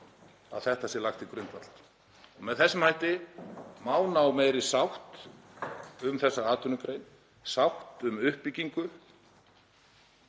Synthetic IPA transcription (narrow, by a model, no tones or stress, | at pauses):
a̰ðθɛht̪asɛlaxt̪ikɾʏnt̪vat̪l̥t̪ | ɔɣmɛðθɛsːɪmhajht̪ɪmaːwnawmeːjɾɪsawht̪ | ʏmθɛsːaaːt̪ʰʏnʏkɾejn | sawht̪ʏmʏhpːiciŋkʏ